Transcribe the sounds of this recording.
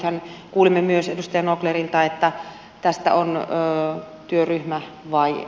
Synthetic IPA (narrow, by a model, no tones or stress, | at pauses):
hænkuːlimːemyøsedust̪ɑjɑnoklerilt̪ɑet̪ːæ | t̪æst̪æ̰onː | t̪yøryhmæ | ʋɑi